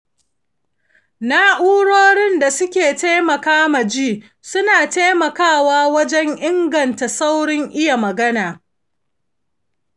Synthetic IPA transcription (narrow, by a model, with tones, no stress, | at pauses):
naː˦ʔuː˦ɽoː˦ɽɪ˦nda˨sʊ˦kʲeː˨ta˦mɐ˨kaː˦mɐ˨d͡ʒiː˦˨ | sʊ˦naː˨teː˦mɐ˨kaː˦˨waː˦wɐ˦d͡ʒɛ˦ŋʔɪ˦ŋɡɐ˨nta˨sa˦wɽɪ˦ŋʔɪ˦ja˨mɐ˨ɡɐ˦naː˨